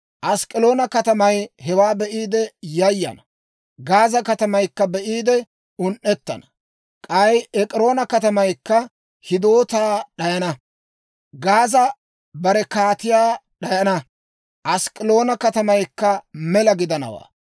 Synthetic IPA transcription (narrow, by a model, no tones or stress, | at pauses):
ʔɐskʼɪlo̞ːnɐkɐt̪ɐmɐjhɛwaːbɛʔiːd̪ɛjɐjːɐ̰nɐ | ɡaːzɐkɐt̪ɐmɐjkːɐbɛʔiːd̪ɛ | ʊnʔɛt̪ːɐ̰nɐ̥ | kʼɐjɛkʼɪɾo̞ːnɐkɐt̪ɐmɐjkːɐ | hɪd̪o̞ːt̪aːɗɐjɐnɐ | ɡaːzɐ | bɐɾɛkaːt̪ɪjaːɗɐjɐnɐ | ʔɐskʼɪlo̞ːnɐkɐt̪ɐmɐjkːɐmɛlɐɡɪd̪ɐnɐ̰wa̰ː